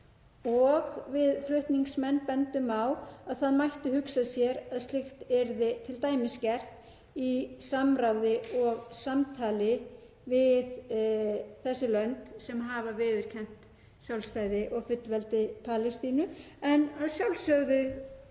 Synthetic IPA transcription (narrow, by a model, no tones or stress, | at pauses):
ɔɣvɪðflʏht̪niŋksmɛnːpɛnt̪ʏmawaðθaðmajht̪ʏhʏksasjɛɾaðst̪lɪxt̪ɛɾðɪt̪ʰɪlt̪aːjmɪscɛr̥t̪ | isamɾawðɪɔɣsamt̪ʰaːlɪ | vɪð | θɛsːɪlœnt̪sɛmɦavavɪːðɪɾ̥cʰɛn̥t̪ | sjawlst̪aːjðɪʔɔɣfʏt̪lvɛlt̪ɪpʰaːlɪst̪iːnʏ | ɛnaðsjawlsœɣðʏ